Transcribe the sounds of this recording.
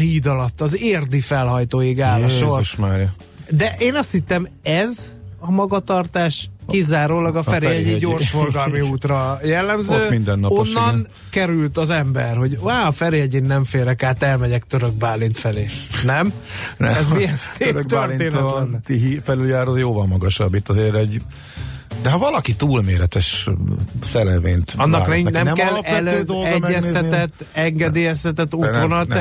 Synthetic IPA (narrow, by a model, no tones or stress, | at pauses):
hiːd̪ɒlɒt̪ːɒzeːrd̪ifɛlɦɒjt̪oːjiɡaːlɒʃoriʃmɛɾjɛ | d̪ɛʔeːnɒst̪hit̪ːɛmɛz | ɒmɒɡɒt̪ɒrt̪aːʃkizaːɾoːlɒɡɒɛfɾeɛɟeɟoːrʃfo̞rɡɒlmiuːt̪rɒjɛlːɛmzøːmind̪ɛnːɒonːɒn | kɛɾylt̪ɒzɛmbɛrho̞ɟaːɒfɛɾejɛɟeːnnːɛɱfeːɾɛkaːt̪ɛlmɛɟɛkt̪øɾøɡ̚baːlːint̪fɛleːnɛmnɛɛzmijɛnseɾøɡt̪ørit̪eːnɛnt̪iɦifɛlyljaːɾozjoːvɒlmɒɡɒʃɒbːit̪ːɒzeːɾɛɟ | d̪ɛɦɒvɒlɒkit̪uːlmeːɾɛt̪ɛʃ | sɛlɛvḛːnt̪ɒnːɒaknɛinɛmnɛmkɛlpɛld̪oldɛmːɛsɛt̪ɛt̪ːɛŋɡɛd̪eːjɛst̪ɛt̪ɛt̪ːuʋo̞nɒlt̪